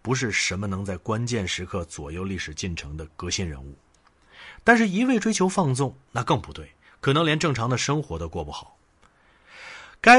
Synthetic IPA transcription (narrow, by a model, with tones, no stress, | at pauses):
pu˧˥ʂ̬ɻ̩˥˩ʂə˧˥mə˧nɤ˧˥ŋt͡sa˥˩ɪkwa˥nt͡ɕjɛ˥˩nʂɻ̩˧˥kʰɤ˥˩t͡swɔ̰˨˩jo˥˧ʊli˥˩ʂɻ̩˨˩t͡ɕi˥˩nʈ͡ʂʰɤ˧˥ŋd̪ə˧kɤ˧˥ɕi˥˩nɻə̰˧˥nṵ˥˩ | t̪a˥˧nʂɻ̩˥˩i˧˥we˥˩ɪʈ͡ʂwe˥ɪt͡ɕʰjo˧˥ʊfɑ˥˧ŋsʊ˥˩ŋna˥˧kɤ˥˧ŋpu˧˥t̪we˥˩ɪ | kʰɤ˨˩nɤ˧˥ŋljɛ˧˥nʈ͡ʂɤ˥˩ŋʈ͡ʂʰɑ˧˥ŋd̪ə˧ʂɤ˥ŋxwɔ˧˥d̪ə˧kwɔ˥˧pu˥˩xɑ˨˩˦ʊ | ka˥